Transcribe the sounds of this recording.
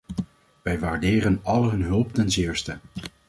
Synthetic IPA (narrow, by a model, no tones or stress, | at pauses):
ʋɛjʋaːɹdɪːrənɑlɦɵnɦɵlˠptɛnzɪːɹstə